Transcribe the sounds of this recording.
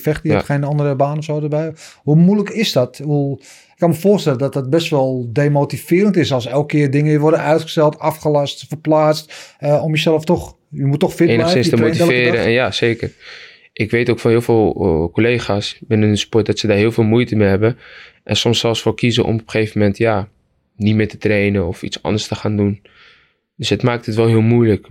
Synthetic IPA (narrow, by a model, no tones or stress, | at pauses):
fɛxtəxejnɔndərəbaːnɔfsowdəbɛjhumuləkɪsdɔtəʋulˠ | ɪkːɑnməfoːrstɛlˠədɔt̚dət̚bɛstʋɔlˠdeːmotifɪːɾəntɪsɔlˠsɛlˠk̚kːɪːrdɪŋəʋɪʋɔrdəʔœɥtχə̥stɛlˠtafχəlɑstfərplaːt͡stəomjəsɛləftɔx | jəmutːɔxfɪelnəsɪnstəotiɛlˠɪːɾəɛ̰njaseːkər | ʔɪkʋetoːkfɑnɪːlˠvɪːlˠkolejχaːsbɪnənəspɔt̚dɔtsədaːɹɦɪːlˠfɪːlˠmujtəmeɦɛbə | ʔɛnsɔmsɛlˠsfoːɹkizə̰ʔɔ̰mɔpχeːvəmɛntja | nitmɪːtə̥trejnəɔfḭtsɑ̰ndəɹstəχaːndun | døsətmaːk̚thətʋɛlˠɦɪːlˠmujlək